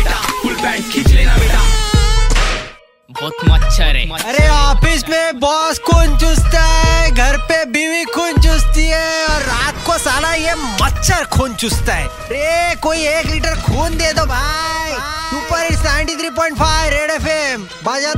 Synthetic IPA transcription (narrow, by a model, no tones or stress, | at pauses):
aʊlbɛ̃ːkit͡ʃleaea | bɔːt̪mɐtt͡ʃʰːɐɾeɔːfɪsmẽbɔːskʰoːnt͡ʃʊst̪aɦɛɡʱɐɾpebiːʋikʰuːnt͡ʃʊst̪iɦɛɔːɾːaːt̪kosaːlajemɐtːʃʰəɾkʰuːnt͡ʃʊst̪aɦɛ̰ːɐɾekoːieːkliːʈəɾkʰuːnd̪eːd̪obʱaːiuːpəɾeʈsɛʋə̃ɳʈit̪ʰɾiːp̬ɔ̃ːɪ̃ɳʈfaːɪʋɾeːɽeːfem | baːd͡ʒa